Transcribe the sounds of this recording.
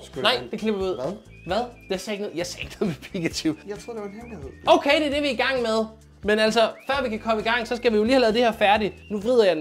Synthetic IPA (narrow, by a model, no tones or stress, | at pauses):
nɑɪ̰d̥e̝kʰleb̥ɐʋiuð̰ˠ | ʋæðˠd̥esɛːeɡnɔð̩ˠjɑ̈ɪsɛ̰e̝ɡ̥noðˠmepʰiɡ̥æt͡sʰiʊjt͡sʰʁo̰deʋheioʊkʰeɪd̥eɐd̥e̝ʋiiɡ̥ɑ̈ŋ̰með̞ˠ | menælsɒfɶɐ̰ʋikʰækʰɒ̽məiɡ̥ɑ̈ŋ̰sɒ̽sɡ̥æʋijo̝liːhælɛːðˠd̥e̝hæɐfæɐdinuʋʁið̞̰ˠɐjɑ̈ɪ